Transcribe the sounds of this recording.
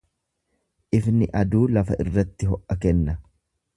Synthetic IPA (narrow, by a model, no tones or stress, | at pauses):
ʔɪfnɪʔɐd̪uːlɐfɐʔɪ̰rːɐt̪ːɪɦɔʔʔɐkɛnːɐ